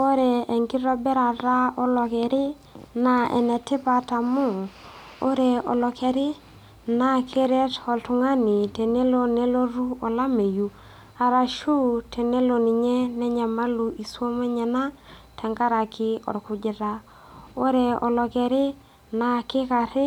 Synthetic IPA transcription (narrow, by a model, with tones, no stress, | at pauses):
o˦ɾe˨e˨ŋɡi˦ɾɔ˦bɛ˦ɾa˨ɾa˦ɔ˦lɔ˨kɛ˨ɾɪ˦ | na˨ɛ̰˨nɛ˨tɪ˦pa˨ta˨mu˦˨ | o˦ɾe˨ɔ̰˨lɔ˨kɛ˨ɾɪ˦ | na˦kʰe˦ɾe˦tɔ˨ltu˨ŋa˦ni˨te˨ne˦lo˨ne˦lo˦ɾu˦ɔ˨la˦me˨ju˨ | a˨ɾa˨ʃu˦tʰɛ˨ne˦lo˨ni˨ɲɛ˦nɛ˦ɲa˨ma˦lu˨ʔi˨swo˦ma˦ɲɛ˨na˦tɛ˨ŋɡa˦ɾa˨kɪ˦ɔ̰˨ɾku˦d͡ʒi˨ɾa˦ | o˦ɾe˨ɔ̰˨lɔ˨kɛ˨ɾɪ˦ | na˨kɪ˦ka˨ɾɪ˦